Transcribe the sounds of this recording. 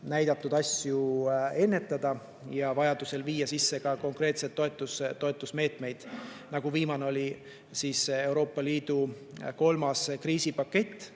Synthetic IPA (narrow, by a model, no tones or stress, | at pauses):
næjd̪̥ɑt̪ːˑud̪̥ɑsʲjue̞nːe̞t̪ːˑɑd̪̥ɑ | jɑvɑjɑd̪use̞lviːjɑsisːe̞kɑko̞ŋkre̞ːt̪set̪ːo̞e̞t̪ːˑust̪ːo̞e̞t̪ːˑusme̞ːt̪me̞jd̪̥nɑɡ̥uviːmɑneo̞lʲi | siːse̞wɾo̞ːpˑːɑliːd̪̥u | ko̞lmɑskriːsipɑkːe̞t̪ː